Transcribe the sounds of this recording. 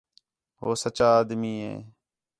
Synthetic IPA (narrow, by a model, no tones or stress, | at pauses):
ɦoːsət͡ʃaːaːd̪miːɦḛː